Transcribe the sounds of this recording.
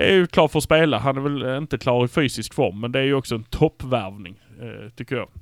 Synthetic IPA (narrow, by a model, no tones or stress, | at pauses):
d̪ɛæɾjɵkʰlɑːʈfœɾspeːlaɦanæɾvɛlɪnt̪əkʰlɑːɾɪfyːsɪskfɔ̰ɾmːɛnd̪ɛæɾjɵɔksɔɛnt̪ʰɔpːvæɾvnɪŋt̪ʰʏkːəɾjɑ̰ː